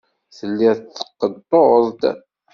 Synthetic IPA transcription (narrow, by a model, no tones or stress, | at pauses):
θəlːiθːə̥qːəd̪t̪ˤːoəðˤt̪